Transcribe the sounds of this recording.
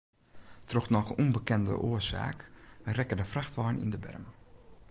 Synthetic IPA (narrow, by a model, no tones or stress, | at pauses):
troxnɔxunbəkɛndə̰ʔoəsa̰ːkrɛkədəfraxtʋɔjnḭndəbɛ̰rmə